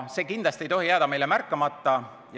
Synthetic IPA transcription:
se̞ːkind̪lɑst̪ie̞jt̪o̞ɦijæːd̪̥ɑme̞jlemærkːˑɑmɑt̪ˑːɑ | j

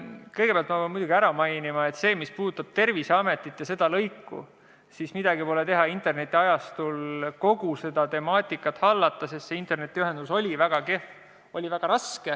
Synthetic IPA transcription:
kɤjɡepeɑlt̪mɑvemujd̪uɡ̥iæɾɑmɑjnimɑe̞t̪se̞ːmispuːd̪ut̪ːˑɑb̥t̪e̞rviseɑme̞t̪ˑːit̪ːˑjɑse̞d̪̥ɑlɤjkːˑṵ | sismid̪̥ɑɡipo̞le̞t̪e̞ɦɑint̪ˑe̞rne̞t̪ʲːˑiɑjɑst̪ulko̞ɡuse̞d̪̥ɑt̪e̞mɑːt̪ʲːˑikːˑɑt̪hɑlːɑt̪ˑːɑsest̪seint̪e̞rne̞t̪ːiyɦe̞nd̪̥uso̞lʲivæɡ̥ɑkef | o̞lʲivæɡ̥ɑɾɑske

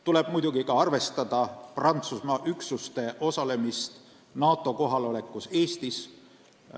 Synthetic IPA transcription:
t̪ule̞b̥mujd̪uɡikɑɑrve̞st̪ɑd̪̥ɑprɑnt̪susmɑʔyksust̪e̞ʔo̞sɑle̞mist̪ | nɑːt̪ːˑo̞ko̞ɦɑlo̞le̞kːˑuse̞ːst̪is

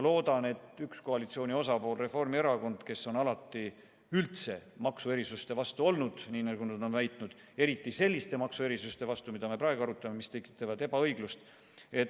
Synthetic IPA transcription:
lo̞ːd̪̥ɑne̞t̪ːˑyksko̞ɑlit̪sio̞ːnio̞sɑpo̞ːlre̞fo̞rmie̞ɾɑko̞nd̪̥ke̞sːo̞nɑlɑt̪ˑːi | ylt̪se̞mɑksue̞ɾisust̪e̞vɑst̪uo̞lnud̪̥niːnæɡunɑd̪o̞nvæjt̪ˑnud̪̥ | e̞ɾit̪ːˑise̞lːist̪e̞mɑksue̞ɾisust̪e̞vɑst̪umid̪̥ɑme̞pɾɑe̞ɡoɑɾut̪ːˑɑme̞mist̪e̞kːˑi̥t̪ːˑɑvɑd̪̥e̞bɑɤ̞jɡ̥lust̪ | e̞t̪

